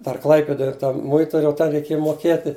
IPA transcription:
ˈdɐr ˈklˠɐɪpʲɪdoːj ˈtɐm ˈmʊɪtʊrʲʊɪ ˈtʲɛn rʲɛɪˈkʲeːjɛ moːˈkʲiɛtʲɪ

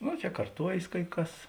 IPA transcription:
ˈnoː t͡ʃʲɛ kɐrˈtuɔjeːs kɐɪ ˈkɐs

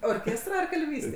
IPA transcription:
oːrʲˈkʲeːstrɐ ɐr kɐlʲˈʋʲiːsʲtʲeː

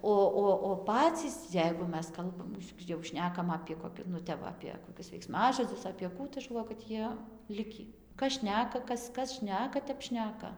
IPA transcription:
ˈoː ˈoː oː ˈpɑːt͡sʲiːs ˈjɛɪɡʊ ˈmʲɛs ˈkɐlˠbɐm jɛʊ ˈʃʲnʲæːkɐm ɐpʲeː koːˈkʲɪ nʊ ˈtʲɛp ʋɐ ˌɑːpʲiɛ koːˈkʲʊs ʋʲɛɪkˈsmɑːʒoːd͡zʊs ɐpʲiɛ ˈkuː tɐɪ ˈɐʃ ɡɐlˠˈʋoːjʊ kɐt ˈjiɛ ˈlʲɪkʲiː kɐs ˈʃʲnʲæːkɐ ˈkɐs ˈkɐs ˈʃʲnʲæːkɐ ˈtʲɛp ˈʃʲnʲæːkɐ

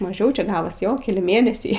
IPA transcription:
mɐˈʒʲɛʊ ˈt͡ʃʲɛ ˈɡɑːʋoːs ˈjoː kʲɛˈlʲɪ ˈmʲeːnʲɛsʲɛɪ

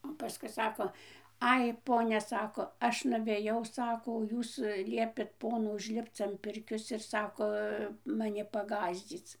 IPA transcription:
oː pɐˈskʊɪ ˈsɑːkoː ˈɐɪ ˈpoːnʲɛ ˈsɑːkoː ˈɐʃ nʊʋʲɛˈjɛʊ ˈsɑːkoː oː ˈjuːs ˈlʲiɛpʲeːt ˈpoːnʊ ʊʒʲˈlʲɪpt͡s ɐm ˈpʲɪrʲkʲoːs ɪr ˈsɑːkoː mɐˈnʲɪ pɐˈɡɑːzʲd͡zʲiːt͡s

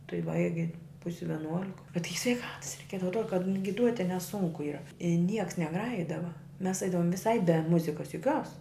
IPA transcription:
tɐɪ ˈbɐɪɡʲɪ ˈpʊsʲɪ ʋʲiɛˈnuɔlʲɪk bʲɛt ˈtɐɪ sʲʋʲɛɪˈkɑːtɐs rʲɛɪˈkʲiɛdɐʋɐ ɐtˈruɔt kɐ ɡʲɪˈduɔtʲɪ nʲɛˈsʊŋkʊ ˈiːrɐ ɪ ˈnʲiɛks nʲɛˈɡrɑːjɪdɐʋɐ mʲɛs ˈɐɪdɐʋʊm ʋʲɪˈsɐɪ bʲɛ ˈmʊzʲɪkɐs joːˈkʲoːs

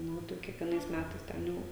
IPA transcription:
ˈnʊ tɐɪ kʲiɛkʋʲiɛˈnɐɪs ˈmʲætɐɪs ˈtʲɛn jɛʊ

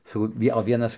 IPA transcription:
sɐˈkɐʊ ˈʋʲiɛ oː ˈʋʲiɛnɐs

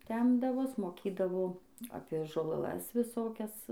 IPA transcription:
ˈtʲɛmbdɐʋoːs moːˈkʲiːdɐʋoː ˈɑːpʲeː ʒoːlˠɐˈlˠɐs ʋʲɪˈsoːkʲɛs

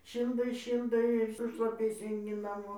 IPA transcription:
ˈʃʲiːlˠdɐɪ ˈʃʲiːlˠdɐɪ ɪr sʊ ʃlˠɐˈpʲɛɪs ɛɪˈnʲɪ nɐˈmoː

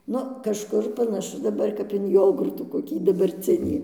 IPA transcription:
ˈnʊ kɐʃˈkʊr pɐnɐˈʃʊ dɐˈbɐr kɐp ɪn ˈjoːɡʊrtuː koːˈkʲiː dɐbɐrʲˈt͡sʲɪnʲiː

